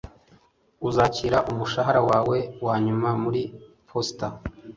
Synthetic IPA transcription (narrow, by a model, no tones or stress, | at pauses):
uzaciːɾaʔumuʃaɦaɾawaːwe̞waːɲumamuɾi | pʰosta